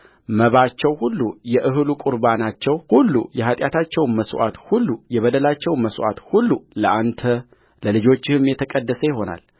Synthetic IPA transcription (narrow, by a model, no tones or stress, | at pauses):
məβat͡ʃːɛwhulːujɛʔɨɦɨlukʼuɾbanat͡ʃːɛwhulːṵjɛɦat̪ʼjat̪ʰat͡ʃːɛwnməswʔa̰t̪hulːujɛβəd̪əlat͡ʃːɛwnməsʔa̰t̪hulːuləʔant̪ʰə | ləlɨd͡ʒo̞t͡ʃːɪhɨmjɛt̪ʰəkʼəd̪ːəsəjɪɦo̞na̰l